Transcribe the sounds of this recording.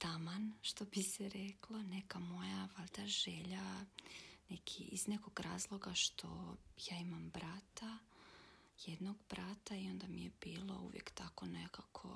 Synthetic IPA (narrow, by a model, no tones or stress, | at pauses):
t̪amanʃt̪obisɛɾeklˠonekamo̞jaʋalʲd̪aʒeʎa | nekʰiizneko̞ɡɾaːzlˠo̞ɡaʃt̪ʰo̞jaːimambɾat̪a | jed̪noɡbɾat̪aio̞nd̪amijebiːlˠo̰ṵʋjḛkt̪ako̞nekakʰo̰